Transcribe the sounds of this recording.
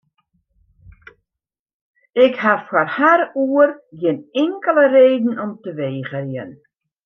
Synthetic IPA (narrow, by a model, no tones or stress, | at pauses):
ɪkhafwarharuərjɪnɪŋkələreːdn̩ɔmtəʋeːɣərjən